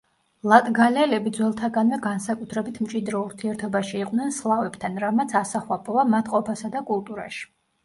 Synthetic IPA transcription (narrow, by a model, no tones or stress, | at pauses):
lˠat̪ʼɡalɛlɛbid̪zwɛlˠt̪ʰaɡanvɛɡansakʼut̪ʰɾɛbit̪ʰmt͡ʃʼid̪ɾɔuɾt̪ʰiɛɾt̪ʰɔbaʃiːqʼnɛnslˠavɛbt̪ʰanɾamat̪sʰasaχwapʼɔvamat̪ʰʼqʼɔpʰasad̪akʼulˠt̪ʼuɾa̰ʃi̥